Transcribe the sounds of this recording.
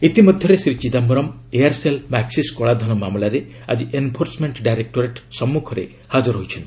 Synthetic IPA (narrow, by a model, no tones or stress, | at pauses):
it̪imɔd̪ʱjɔɾesɾit͡ʃid̪ambɔɾɔmejaɾselmaksiskoɭad̪ʱɔnɔmamlaɾe | a̰d͡ʒiʔempʰoɾsmeɳʈɖajɾek̚ʈoɾeʈsɔmːukʰɔɾḛ | had͡ʒɔɾɦojt͡ʃʰɔn